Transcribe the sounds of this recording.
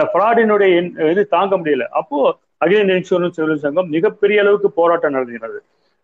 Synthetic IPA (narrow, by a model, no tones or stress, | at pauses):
fɾaːɽɪnɯɽɐjɐɛnɛðɯt̪aːŋɡɐmʊɽɪjɐlɐ̰ʔɐpːoː | ɐɣɪlɪnɪnsuːɾɐnsɛʋɪlɯnsɐŋɡɐmmɪɣɐpːɛɾɪjɐːɭɐʋɯkːɯpoːɾaːʈːɐnɐɽɐðɯɡɪɾɐðɯ